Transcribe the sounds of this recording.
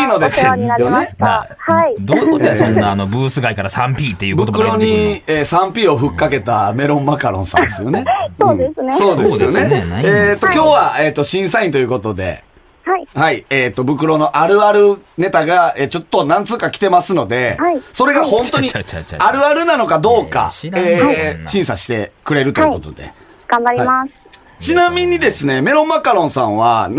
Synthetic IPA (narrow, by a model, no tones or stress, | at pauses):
ino̞d̪esjonehad̪onanobɯːsɨɡaikaɾasãmpʲiːt̪ːebɯ̟tkɯ̟ɾo̞ɲ̟ieːsãmpʲiːo̞ɸɯ̟kːake̞t̪ame̞ɾõ̞mːakaɾõ̞̰sã̰nd̪esɨjo̞̰ne̞ɯ̃sso̞ːd̪esɨjone̞eːt̪ːo̞kʲo̞ːβaeːt̪ːo̞ɕĩɰ̃saĩt̪o̞jiɯ̟ko̞t̪o̞d̪e̞̰ | haieːt̪ːo̞bɯ̟k̬ɯ̟ɾo̞no̞ʔaɾɯ̟aɾɯ̟ne̞t̪aɡaeːt͡ɕo̞t̪ːo̞nãnt͡sɨːkakʲi̥t̪e̞masɨno̞d̪e̞haso̞ɾe̞ɡahõnt̪oɲ̟iaɾɯ̟aɾɯ̟nano̞kad̪o̞ːka̰eːɕĩɰ̃saɕi̥t̪e̞kɯ̟ɾe̞ɾɯ̟t̪oiɯkot̪od̪e̞̰ | ɡ̥ãmbaɾʲimas | t͡ɕinãmʲĩɲ̟ːid̪e̞sɨne̞me̞ɾõ̞mːakaɾõ̞ɰ̃sãɰ̃βan